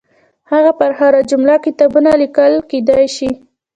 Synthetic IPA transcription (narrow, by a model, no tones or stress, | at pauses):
haɣapaɾxaɾad͡ʒʊmlakɪt̪ɑbunalikəlked̪ajʃi